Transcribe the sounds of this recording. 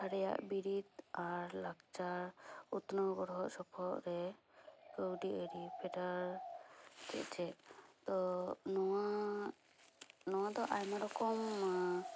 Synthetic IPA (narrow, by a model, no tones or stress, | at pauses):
aɾɛja̰ʔbiɾit̪aɾlaɡt͡ʃaɾut̪nɔwɡɔɾɦɔʔsɔpʰɔʔɾɛ | kəwɖiʔəɾipʰɛʈaɾ | tɛ̰ʔt͡ʃɛt̪ɔnɔa | nɔwad̪ɔʔajmaɾɔkɔm